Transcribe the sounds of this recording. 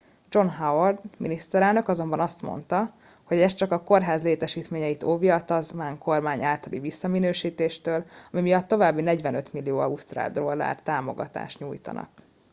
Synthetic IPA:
d͡ʒo̞nɦaword̪minist̪ɛɾɛlnø̞kɒzo̞mbɒnɒst̪mo̰nt̪ɒ | ho̞ɟɛst͡ʃɒkɒko̞rɦaːzleːt̪ɛʃiːt̪meːɲɛjit̪oːviɒt̪ɒzmaːŋkʰo̞rmaːɲaːlt̪ɒlivisːɒminøːʃiːt̪eːʃt̪øːlɒmimijɒt̪ːo̞vaːbːinɛɟvɛnøt̪milːijoːɒust̪ra̰ːld̪ɾo̞lːa̰ːrt̪aːmo̞̰ɡɒ̰t̪a̰ːʃɲuːjt̪ɒ̰nɒ̰k

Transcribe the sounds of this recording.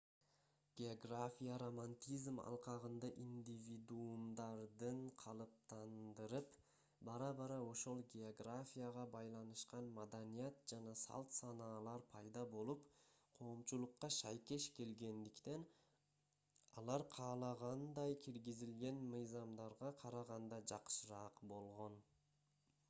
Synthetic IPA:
ɡ̥ʲeoɡrafʲijaɾo̞manʲt̪ʲizmɑ̰lˠqɑʁɯnd̪ɑʔind̪ʲivʲid̪uumd̪ɑɾd̪ɯɴqʰɑlˠɯp̚t̪ɑnd̪ɯɾɯp | bɑɾɑbɑɾɑo̞ʃo̞lˠɡʲeoɡrafʲijaʁɑbɑjlˠɑnɯʃqɑnmad̪anijat̪̚d͡ʒɑnɑsɑ̰lˠt̪sɑnɑːlˠɑɾpʰɑjd̪ɑbo̞lˠup | qʰo̞ːmt͡ʃulˠuqːɑʃɑjke̞ʃke̞lɡe̞nd̪ikt̪en | ɑ̰lˠɑɾqʰɑːlˠɑʁɑnd̪ɑjkʲʰiɾɡizilɡe̞nmɯjzɑmd̪ɑɾʁɑqʰɑɾɑʁɑnd̪ɑd͡ʒɑqʃɯɾɑːqbo̞lˠʁo̞n

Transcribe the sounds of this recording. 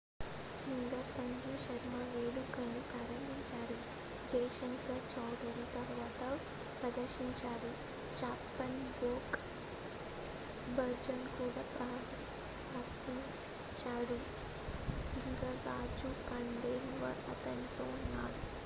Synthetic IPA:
siŋɡɐɾsɐŋɡuʃɐɾmaːʋeːlukɐnukɐɾɐniɲt͡ʃaːɾu | d͡ʒɛjʃɐnkɐt͡ʃɐwɽiɾit̪ɐɾʋaːt̪ɐ | pɾɐd̪ɐɾʃiɲt͡ʃaːɽu | t͡ʃaːpːɐnɡoːk | bɐɾd͡ʒɐnkuːɽaːpɾɐ | pɾaːkt̪i | t͡ʃaːɽu | siŋɡɐɾːaːd͡ʒukɐɳɖeːlʋɐ̰ɾɐ̰t̪ɐnit̪oːunːa̰ːɽu

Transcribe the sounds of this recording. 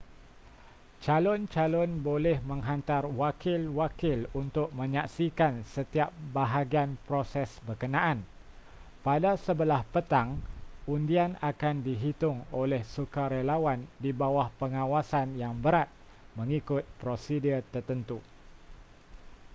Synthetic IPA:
t͡ʃalɔnt͡ʃalɔnbolɛhmə̃ŋɦant̪arwakɪlwakɪlunt̪ʊk̚mə̃ɲaksikansət̪iap̚baɦaɡianpɾosɛsbərkənãʔan | padasəbəlahpət̪aŋundianakandiɦit̪ʊŋolɛhsukaɾelawandibawahpəŋãwasanjaŋbəɾat̪̚ | mə̃ŋikʊt̪̚pɾosidirt̪ərt̪ənt̪u

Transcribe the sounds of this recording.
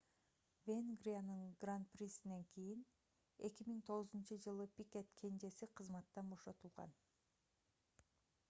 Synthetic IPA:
vʲenɡrʲianɯŋɡrant̪̚prʲisine̞ŋkʰijin | e̞̰kimiŋt̪ʰo̞ʁʊzunt͡ʃɯd͡ʒɯlˠɯpʲikʲe̞t̪kʰe̞nd͡ʒe̞siqʰɯzmɑt̪ːɑnbo̞ʃo̞t̪ulˠʁɑ̰n

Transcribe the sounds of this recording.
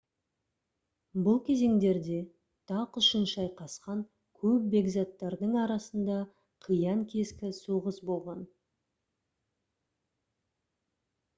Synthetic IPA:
bʊlˠkʲʰe̞ze̞ŋd̪e̞ɾd̪e̞ | t̪ʰɑqʏʃənʃɑjqʰɑsqɑŋ | kʲʰɵp̚be̞ɡzɑt̪ːɑɾd̪əɴɑɾɑsənd̪ɑ | qʰijɑŋkʲʰe̞skʲɪsuʁəsbo̞lˠʁɑn

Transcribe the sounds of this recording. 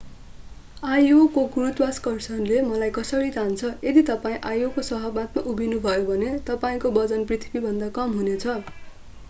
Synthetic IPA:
ajokokuɾut̪baskʌrsʌnlemʌlajkʌsʌɾit̪ʰant͡sʰʌed̪it̪ʌpaĩʔajokosʌɦʌbmat̪̚maʔubʱinubʱʌjobʱʌnet̪ʌpaĩkobʌd͡zʌnprit̪ʰibibʱʌnd̪akʌmɦunet͡sʰʌ

